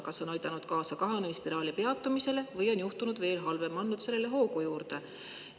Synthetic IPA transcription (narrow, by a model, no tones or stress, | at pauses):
kɑso̞nɑjd̪̥ɑnud̪̥kɑːsɑkɑɦɑnemispiɾɑːlipe̞ɑt̪ːˑumise̞le̞vɤjo̞njuht̪unud̪ve̞ːlɦɑlve̞mɑnːud̪̥se̞lːe̞le̞ɦo̞ːkujuːrd̪̥e̞